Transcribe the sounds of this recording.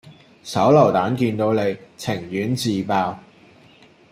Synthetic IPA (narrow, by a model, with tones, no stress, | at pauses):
sɐ˨˥wlɐ˨˩wt̪aː˨˥nkiː˧nt̪o˧wne˨˧jt͡sʰɪ˨˩ŋjyː˨˥nt͡siː˧paː˧w